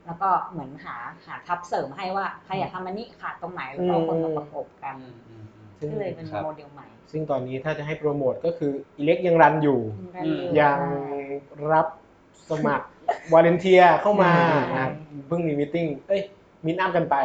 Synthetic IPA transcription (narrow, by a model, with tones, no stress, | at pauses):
lɛ˦˥wkɔː˥˩mɯ˩˦ənɦaː˩˦haː˩˦t̪ʰa˦˥p̚sɤː˩˦mɦa˥˩jwaː˥˩kʰa˧jaː˨˩t̪ʰa˧mːa˧ni˦˥kʰaː˨˩t̪ːo˧ŋmaː˩˦ju˦ɯː˧˥oɯː˧a˧kʰo˨˩p̚ka˧n | sɯ˥˩ŋ˥˩lːje˧moː˧di˧ə˧wma˨˩jsɯ˥˩ŋt̪ɔː˧nːiː˦˥t̪ʰaː˥˩t͡ɕa˨ʔɦa˥˩jpɾu˧moː˨˩t̪̚kɔː˥˩kʰɯː˧ʔi˨˩le˦˥k̚ja˧ŋɾa˧njuː˨˩˧jaː˨˩ŋ | ɾa˦˥p̚ | sa˧ma˨˩k̚ | waː˧le˧nt̪ʰi˧ɐkʰa˥˩wmaː˧˩ | pʰɯ˥˩ŋmiː˧˩mi˧t̪i˥˩ŋʔɤ˦˥˩j | mi˧naː˥˩mka˧npa˧j